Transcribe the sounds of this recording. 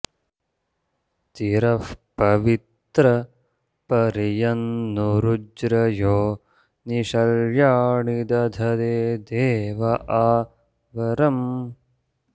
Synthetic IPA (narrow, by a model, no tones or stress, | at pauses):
t̪iɾɐfpɐʋit̪ɾɐ | pɐɾijɐnːuɾud͡ʒɾɐjoː | niʃɐljaːɳid̪ɐd̪ʱɐd̪eːd̪eːʋɐʔaː | ʋɐɾɐm